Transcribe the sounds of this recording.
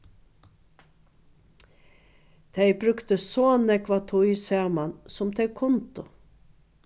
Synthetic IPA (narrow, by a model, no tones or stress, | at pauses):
t̪ʰɛjbɾʏkt̪əsoːnɛkʋat̪ʰʊjsæːmansʊmt̪ʰɛɪkʰʊnt̪ʊ